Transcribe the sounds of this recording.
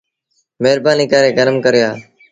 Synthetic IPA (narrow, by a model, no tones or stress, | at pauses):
meːɾbaːniːkaːɾeːɡənəmkəɾɪjaː